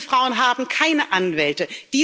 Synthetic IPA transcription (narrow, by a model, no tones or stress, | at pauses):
fʁ̥aʊənɦaːbm̩kʰaɪnəʔanvɛltəd̥iː